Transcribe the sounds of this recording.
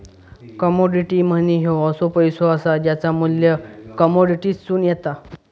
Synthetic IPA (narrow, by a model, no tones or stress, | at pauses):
kəmɔɖiʈiːm̤əniɦeəsopəjsoəsad͡ʑjat͡samuljəkəmoɖiʈiːst͡suːnjɛt̪a